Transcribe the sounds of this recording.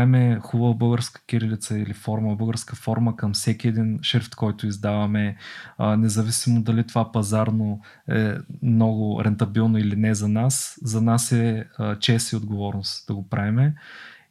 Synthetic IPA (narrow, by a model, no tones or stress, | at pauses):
aɛmɛxubəvəbɤlˠɡəɾskə̥kʲiɾilit̪səilifɔɾməbɤlˠɡəɾskəfɔɾməkɐmsɛkʲiɛd̪inʃiɾft̪kɔjt̪ʊizd̪avɐmɛ | nɛzɐvisimod̪ɐlit̪ovapɐzaɾno | ɛ̰mnɔɡʊɾɛnt̪ɐbilˠnoilinɛzɐnaszɐnasɛət͡ʃɛsiod̪ɡovɔɾnoʊst̪d̪̥ɐɡopɾaɛmɛ